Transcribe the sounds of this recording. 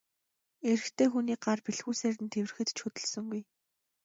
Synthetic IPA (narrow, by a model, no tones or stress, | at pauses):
eɾɘ̆xt̪ʰeːxuniːk̚ɢarpiɮxuːseːɾɘ̆nt̪ʰewɘrɘ̆xɘ̆t̪t͡ɕʰɵt̪ɵ̆ɮsɵ̆ŋɡuj